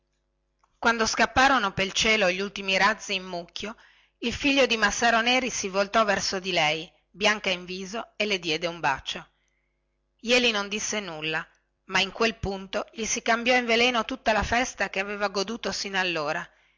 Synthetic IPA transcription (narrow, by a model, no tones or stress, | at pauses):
kwand̪oskapːaːɾonopelt͡ʃeːloʎːult̪imiɾad̪zːiːmːukːjo | ilfiʎːod̪imasːaːɾoneːɾisivolt̪ɔvɛrsod̪ilɛj | bjaŋkaiɱviːzoeled̪jɛːd̪eumba̰t͡ʃːo | jɛːlinond̪isːenulːa | maiŋkwelpunt̪oʎisikambjɔiɱvelɛːnot̪ut̪ːalafɛst̪akeaveːvaɡod̪uːt̪osinalːoːɾa